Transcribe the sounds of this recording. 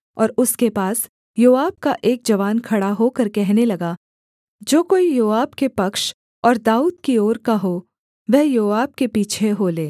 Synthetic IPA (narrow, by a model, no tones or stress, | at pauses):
ɔːɾʊskepaːs | joːaːb̚kaʔeːk̚d͡ʒɐʋaːnkʰɐɽaɦokɐɾkɛɦnelɐɡa | d͡ʒoːkoːijoːaːbkepɐkʃ | ɔːɾd̪aːuːd̪kioːɾkaɦo | ʋɛɦjoːaːb̚kepiːt͡ʃʰeɦoːleː